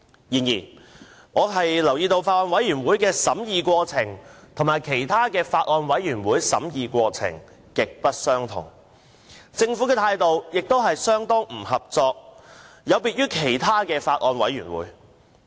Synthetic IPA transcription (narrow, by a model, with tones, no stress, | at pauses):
jiː˨˩njiː˨˩n | ŋɔː˨˧ɦɐ˨jlɐ˨˩wjiː˧t̪o˧wfaː˧t̚ʔɔː˧nwɐ˨˥jyː˨˩nwuː˨˥jkɛː˧sɐ˨˥mjiː˨˧kʷɔː˧t͡sʰɪ˨˩ŋt̪ʰʊ˨˩maː˨˩jkʰe˨˩jt̪ʰaː˥kɛː˧faː˧t̚ʔɔː˨˧nwɐ˨˥jɥyː˨˩nwuː˨˥jsɐ̰˨˥mjiː˨kʷɔː˧t͡sʰɪ̰˨˩ŋ | kɪ˨k̚pɐ˥t̚sœː˥ŋt̪ʰʊ̰˨˩ŋ | t͡sɪ˧ŋfu˨˥kɛː˧t̪ʰaː˧jt̪o˨wjɪ˨k̚t̪o˥wɦɐ˨jsœː˥ŋt̪ɔː˥ŋm̩˨˩hɐ˨p̚t͡sɔː˧k̚ | jɐ˨˧wpiː˧t̚yː˥kʰe˨˩jt̪ʰaː˥kɛː˧faː˧t̚ʔɔː˧nwɐ˨˥jyː˨˩nwṵː˨˥j